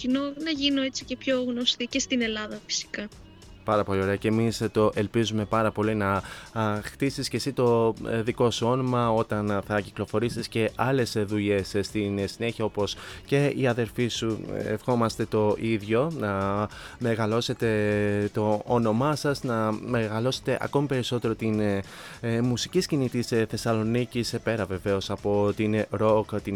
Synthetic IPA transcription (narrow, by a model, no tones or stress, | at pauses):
cinonɐʝinoet͡si̥ce̞pço̞ɣno̞st̪icest̪ine̞lɐðɐfi̥si̥kɐ | pɐɾɐpo̞lio̞ɾe̞ɐcemist̪o̞ʔe̞lpizume̞pɐɾɐpo̞linɐ | xt̪isisce̞sit̪o̞ðiko̞suo̞nomɐo̞t̪ɐnθɐciklo̞fo̞ɾisisce̞ʔɐle̞sðuʎe̞sst̪insine̞çiɐo̞po̞sce̞iɐðe̞ɾfisuḛfxo̞mɐst̪e̞t̪o̞ʔiðʝo̞nɐme̞ɣɐlo̞se̞t̪e̞t̪o̞ːno̞mɐsɐsnɐme̞ɣɐlo̞se̞̥t̪e̞ʔɐ̰ko̞mipe̞ɾiso̞t̪e̞ɾo̞t̪in | musiciscinit̪isθe̞sɐlo̞nicispe̞ɾɐve̞ve̞o̞sɐpo̞t̪inɾo̞kt̪i